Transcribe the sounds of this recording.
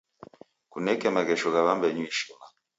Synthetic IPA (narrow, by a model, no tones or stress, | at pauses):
kunɛkɛmaɣɛʃɔɣaβambɛɲuiʃima